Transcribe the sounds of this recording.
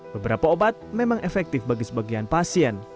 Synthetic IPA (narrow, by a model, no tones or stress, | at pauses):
bəbəɾapaobat̪̚memaŋʔɛfɛk̚t̪ɪfbaɡisəbaɡianpasiɛn